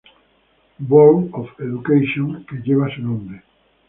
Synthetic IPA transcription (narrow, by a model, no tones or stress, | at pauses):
boɾofeðukejʃjõŋkeʎeβasenõnd̪e